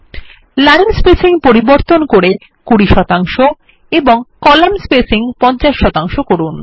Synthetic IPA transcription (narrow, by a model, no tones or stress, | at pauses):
laɾnspesiŋpoɾiboɾt̪onkoɾe | kuɽiʃɔt̪aŋʃo | eboŋkɔlamspesiŋpɔnt͡ɕaʃːɔt̪aŋʃokoɾun